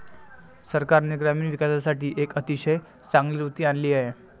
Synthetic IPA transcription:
səɾkaɾniɡɾamiːnʋikasasaʈiːʔekət̪iɕəj | t͡sãŋɡliːɾut̪iːanliːaɦe

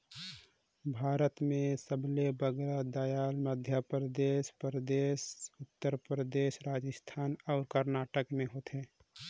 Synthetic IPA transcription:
bʱaːɾət̪mẽsəblebəɡɾad̪ajaːlməd̪ʱjəpɾəd̪eːʃpɾəd̪eːʃʊt̪ːəɾpɾəd̪eːʃɾaːd͡ʒəst̪ʰaːnɔːɾkəɾnaːʈəkmẽɦoːt̪ɛː

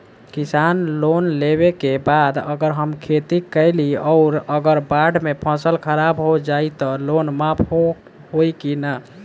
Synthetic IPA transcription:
kisanlonlebekebad̪əɡəɾɦəmkʰet̪ikəɪliɔʊɾəɡəɾbaɖmepʰə̃səlkʰəɾabɦod͡ʒait̪ɔlonmapʰo | hojkinə

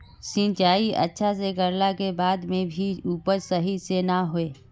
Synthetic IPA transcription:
sɪ̃nt͡ʃaːiɐ̰tːʃʰas̬ekəɾlakebaːd̪mẽbʱiuːpəɾsɐɦisenaɦoeː

